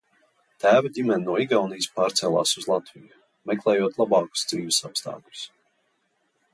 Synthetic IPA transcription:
t̪æːvadʲimɛnʲinuɔiɡawnijspaːɾt̪sɛlˠa̰ːsuzlˠat̪viju | mɛklˠɛːjuɔt̪lˠabɑːku̥sd̪ziːvisapst̪a̰ːklʲʊ̥s

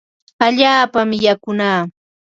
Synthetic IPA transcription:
aʎaːpamjakʊnaː

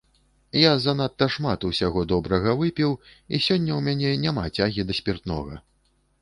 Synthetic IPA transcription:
jazanat̪ːɐʂmat̪uwsʲaɣɔd̪ɔbɾɐɣɐvɨpʲiwḭsʲɔnʲːɐwmʲanʲɛnʲamat͡sʲaɣʲid̪ɐsʲpʲirt̪nɔ̰ɣɐ

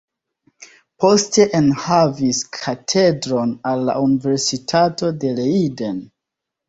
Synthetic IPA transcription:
po̞ste̞ʔenhaviskʰatʰe̞dɾo̞nalːa̰unive̞ɾsitʰato̞de̞leiden

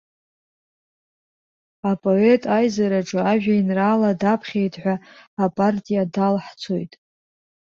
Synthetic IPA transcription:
apʼo̞e̞tʼajzaɾaʈ͡ʂʼɨaʒᶣainraːladapʰχʲejtʰħʷᶣaapʼartʼijadalħt͡sʰo̞jtʼ

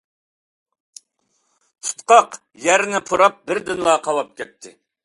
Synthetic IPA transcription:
t̪ʰu̥t̪qɑq | jæɾnɪpʰuɾɑp̚bɪɾd̪ɪnlˠɑqʰɑlˠɑp̚kʲʰɛt̪ʰːɪ̰

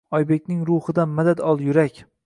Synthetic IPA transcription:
ɒjbe̞kʲnɪŋɾʊhɨd̪anmad̪ad̪ɒlˠjʊɾakʲ

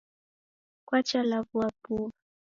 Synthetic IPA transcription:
kwat͡ʃalaβuapua

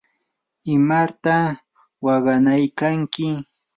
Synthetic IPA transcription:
ɪmaɾt̪a | wɑɢɑnajkaŋkɪ

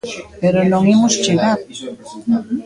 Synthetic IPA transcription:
peɾonõŋimʊst͡ʃeɣað

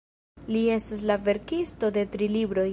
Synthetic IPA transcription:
lie̞stas̬lave̞ɾkisto̞de̞tɾilibɾo̞

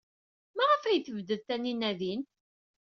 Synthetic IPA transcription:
mæʁəfæjθəvd̪əðθæninæðin

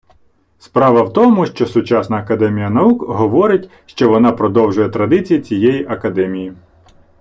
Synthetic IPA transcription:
spɾɑʋɐwt̪ɔmʊʃt͡ʃɔsʊt͡ʃɑsnɐːkɐd̪ɛmʲijɐnɐukɦɔʋɔɾɪtʲ | ʃt͡ʃɔʋɔnɑpɾɔd̪ɔwʒʊjɛt̪ɾɐd̪ɪt͡sʲijit͡sʲijɛjiʔɐkɐd̪ɛmʲiji

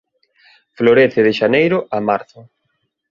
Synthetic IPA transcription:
floɾeθɪðɪʃanejɾʊʔamaɾθʊ

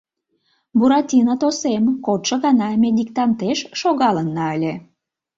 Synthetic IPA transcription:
buɾɑt̪ʲinɑt̪osemkot̪ʃə̆ɣɑnɑmʲed̪ʲikt̪ɑnt̪eʃʃoɣɑlənːɑəlʲe

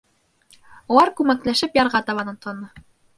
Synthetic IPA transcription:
ŏlˠɑɾkʉmæklæʃɘpjɑɾʁɑt̪ɑβɑnɤnt̪ɑnɤ

